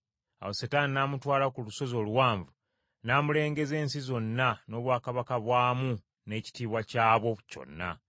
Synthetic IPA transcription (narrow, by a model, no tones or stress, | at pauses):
a̰wosetaːninaːmutwaːlakuluso̞zo̞ːluwaːɱvu | naːmule̞ːŋɡe̞ze̞ːnsizo̞nːano̞ːβwaːkaβakaβwaːmu | ne̞ːci̥tiːβwacaːβo̞co̞̰nːa̰